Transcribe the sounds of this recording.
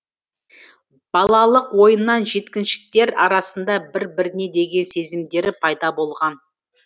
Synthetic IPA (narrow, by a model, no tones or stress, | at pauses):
b̥ɑlˠɑlˠəqwo̞jənːɑnʒe̞t̪kʲɪnʃɪ̥k̚t̪e̞ɾɑ̰ɾɑsənd̪ɑbɪɾbɪɾne̞d̪e̞ɡʲe̞nse̞zɪmd̪e̞ɾɪpʰɑjd̪ɑbo̞lˠʁɑn